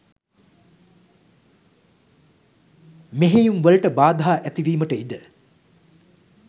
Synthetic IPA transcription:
meɦejuŋʋəlʈəbaːd̪ɐɦaːʔæt̪iʋiːməʈəid̪ə

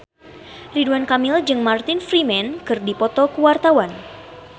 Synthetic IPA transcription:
riduankamɪld͡ʒɨŋmart̪ɪnfɾimɛnkɨrdipɔt̪ɔkuwart̪awan

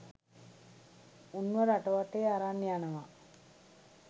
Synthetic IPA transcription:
unːʋəɾaʈəʋaʈeːaɾanːijanəʋa

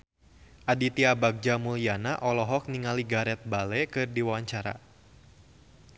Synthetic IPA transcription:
ʔadit̪iabaɡ̚d͡ʒamulianaʔɔlɔɦɔk̚niŋaliɡaɾɛt̪̚balɛkɨrdiwawaɲt͡ʃaɾa̰

